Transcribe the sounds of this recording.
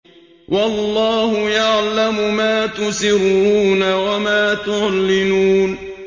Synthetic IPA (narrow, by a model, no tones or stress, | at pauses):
wʔɑlˤːɑːhʊjaʕlamʊmaːt̪ʊsɪɾuːnawamaːt̪ʊʕlːɪnuːn